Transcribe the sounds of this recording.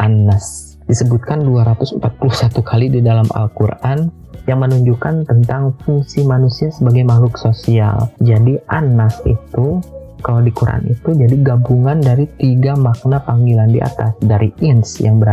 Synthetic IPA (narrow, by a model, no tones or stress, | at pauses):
ʔanːas | disəbut̪̚kanduaɾat̪ʊsmpat̪̚pulusat̪ukʰalididalama̰lkuɾʔan | jaŋmənuɲd͡ʒukant̪ənt̪aŋfuŋsimanusiasəbaɡajmahlʊksosia̰ld͡ʒadiʔanasḭt̪u | kalawdikuɾa̰a̰nḭt̪ud͡ʒadiɡabuŋandaɾit̪iɡamak̚napaŋɡilandiʔa̰t̪asdaɾiɪnsjaŋbəɾa